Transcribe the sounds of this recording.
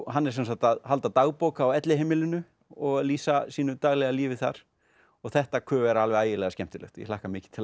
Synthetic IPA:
ɦanːɛɾsɛnsaht̪aðhalt̪at̪aːɣpoːwkaːwɛt̪lɪheːmɪlɪnʏ | ɔɣaðliːsasiːnʏt̪aɣlɛɣaliːvɪθa̰ɾ̥ | ɔɣθɛht̪akʰœːɛɾalvɛɣaːjɪlɛɣascɛm̥t̪ɪlœ̰xt̪jɛ̰laːhkamɪːcɪ̥t̪ʰɪl

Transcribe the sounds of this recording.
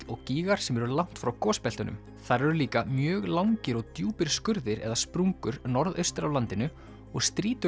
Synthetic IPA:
lɔɣciːɣaɾ̥sɛmɛɾɾlawn̥t̪fɾawkɔːspɛlt̪ʏnʔʏ̰m | θaɾɛɾʏliːkamjœːɣlawŋcɪɾɔɣt̪juːpɪɾ̥skʏɾðɪɾɛ̰ðaspɾuŋkʏɾnɔɾðœ̰ɥst̪ɾavlant̪ɪnʏ | ɔɣst̪ɾiːt̪ʏ

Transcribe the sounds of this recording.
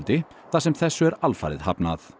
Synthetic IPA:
lt̪ɪ | θasɛmθɛsːʏɛɾalfa̰ːɾɪ̰ðhapnað

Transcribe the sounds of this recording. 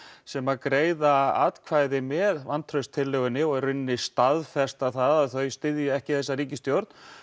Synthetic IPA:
sɛmakɾeːjðaa̰t̪kʰvaːjðɪmɛːðvant̪ʰɾœɥst̪ʰɪlːœɣʏnːɪɔɣɛrʏnːɪst̪aðfɛst̪aðθaðaðθœɥst̪ɪðjʏɛhcɪθɛsːaɾiːcɪst̪jowɾt̪n

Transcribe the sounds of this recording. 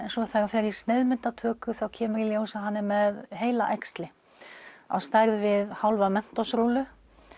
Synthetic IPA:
ɛnsɔθajɾafɛɾi̥sneðmɪnt̪at̪ʰœːkʏθawcʰɛːmʏɾiljoːwsaɦanːɪmɛðɦeːjla̰ʔɛkst̪lɪ | a̰wst̪ajɾðvɪðhawlvamɛn̥t̪ɔsɾuːlʏ

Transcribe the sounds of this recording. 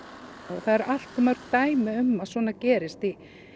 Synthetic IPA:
ɔθaðɛɾʔal̥t̪mœr̥kt̪aːjmɪʏmːaðsvɔːnacɛːɾɪst̪i

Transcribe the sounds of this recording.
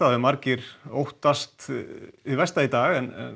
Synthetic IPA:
avɪmaɾcɪɾ̥owht̪ast̪ivɛst̪ait̪aːɣɛnɛ̰n

